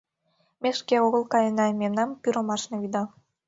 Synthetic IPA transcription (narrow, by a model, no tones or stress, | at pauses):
mʲeʃkeoɣə̆lˠkɑjənɑmemnɑmpyɾomɑʃnɤ̆yd̪ɑ